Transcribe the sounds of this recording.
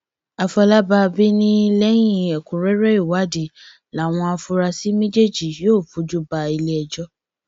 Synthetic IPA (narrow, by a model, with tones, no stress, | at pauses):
a˨fɔ˧la˦ba˧bi˦nĩ˦˧˦lɛ˦j̃iĩ˦˧ɛ˨kũ˨ɾɛ˦ɾɛ˦i˦˨wa˨˦di˨ | la˨˦˨w̃ɔ̃˧a˧fu˧˦ɾa˧si˦mĩ˦d͡ʒe˦˨d͡ʒi˨joː˦˨fu˨˦d͡ʒu˦ba˧i˧lɛ˦ɛ˧d͡ʒɔ˦